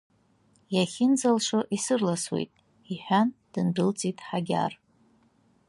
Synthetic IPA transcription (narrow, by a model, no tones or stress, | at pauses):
jaχʲɪnd͡zalʂɨʔisɨrlaswḛjtʼ | iħʷᶣand̥ɨndɨlt͡sʼitʼħaɡʲa̰r